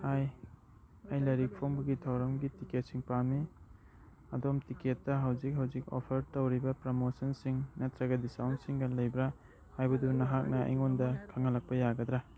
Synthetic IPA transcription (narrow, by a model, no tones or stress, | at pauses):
haj | ɐjlɐɾik̚pʰoŋbɐɡitʰawɾɐmɡitiket̚siŋpami | ɐdomtiketːɐɦawzik̚hawzik̚o̰pʰɐɾtɐwɾibɐpɾomosɐnsiŋnetɾɐɡɐdisawntsiŋɡɐlɐjbɾa | hajbɐdunɐɦak̚nɐɐ̰jŋondɐkʰɐŋɐlɐk̚pɐjaɡɐd̪ɾa